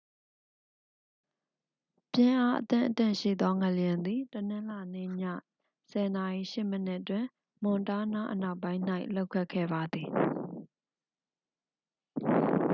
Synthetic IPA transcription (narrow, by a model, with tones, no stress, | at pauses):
pjɪ̃˦˨ʔa˦ʔət̪ɪ̰̃˦˨ʔətɪ̰̃˦˨ʃḭ˦˨d̪ɔ˦ŋə˨lə˨jã˨nd̪i˨tənɪ̃˦la˨nḛ˦˨ɲa̰˦˨ | sɛ˨na˨ʔi˨ʃɪ˦˨mə˦nɪ˦ʔtwɪ̃˨ | mʊ̃˨nta˦na˦ʔəna˦ʊpːã˦ɪ̃n̥a˦ɪʔlo˦ʊkʰɛ˦ʔkʰːɛ̰˦˨ba˨d̪i˨